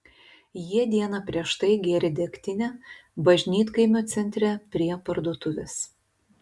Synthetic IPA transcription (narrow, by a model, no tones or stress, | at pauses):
jiɛd̪ʲiɛnɐpʲɾʲiɛʃt̪ɐɪɡʲeːɾʲɪd̪ʲɛkʲt̪ʲɪnʲɛbɐʒʲnʲiːt̪kɐɪmʲoːt̪sʲɛnʲt̪ʲɾʲɛpʲɾʲiɛpɐɾd̪uɔt̪ʊʋʲɛs